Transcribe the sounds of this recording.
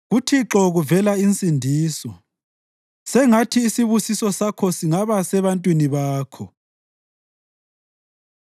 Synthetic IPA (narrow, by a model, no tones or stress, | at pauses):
ɣutʰiǁɔɣuvɛlaint͡sʼindʱiːsɔ | sɛŋatʰiːsiβusisɔsakʰɔsiŋaβasɛβantʼwiniβaːkʰɔ